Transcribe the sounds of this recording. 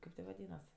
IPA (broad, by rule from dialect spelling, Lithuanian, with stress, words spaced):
ˈkɐɪp tʲeː ʋɐˈdʲiːnɐs